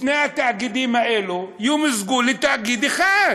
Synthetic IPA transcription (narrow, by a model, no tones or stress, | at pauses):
t̪neat̪aʕɡid̪iːmaʔelujuːmɪzɡuːlːɪt̪ːaʕɡiːd̪ɪxa